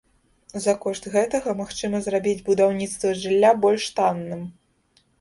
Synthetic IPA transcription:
zɐkɔʂt̪ɣɛt̪ɐɣɐmaxt͡ʂɨmɐzrabʲid͡zʲbud̪awnʲit̪st̪vɐʐɨlʲːabɔlʲʂt̪anːɨm

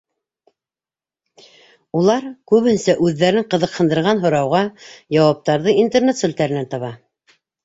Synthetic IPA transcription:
ulˠɑɾkʉβhɘnsæʔʉðːæɾɘɴqɤ̆ðɤ̆qhɤ̆nd̪ɤ̆ɾʁɑnɦŏɾɑwʁɑjɑwɑp̚t̪ɑɾðɤint̪ernet̪sŭlt̪æɾɘ̆nænt̪ɑβɑ

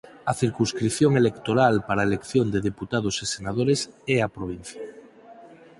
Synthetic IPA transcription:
aθiɾkunskɾiθjoŋelekt̪oɾalpaɾaelekθjond̪eðeput̪að̞osesenað̞oɾesɛapɾoβ̞in̟θja

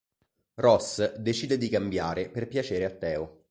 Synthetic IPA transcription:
rɔsd̪et͡ʃiːd̪ed̪ikambjaːɾeperpjat͡ʃeːɾeat̪ːɛːo

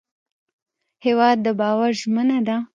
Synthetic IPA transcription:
hewɑd̪̚ːəbɑwaɾʒmənad̪a

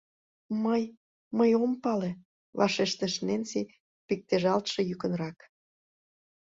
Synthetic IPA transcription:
məj | məjompɑle | βɑʃeʃt̪ə̆ʃnensi | pik̚t̪eʒɑlt̪ʃĕjykə̆nrɑk

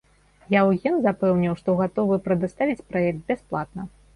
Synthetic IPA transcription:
jawjʲɛnzapɛwnʲiwʂt̪ɔɣat̪ɔvɨpɾɐd̪ast̪avʲit͡sʲpɾaɛk̚t̪̚bʲɛsplˠat̪̚nɐ

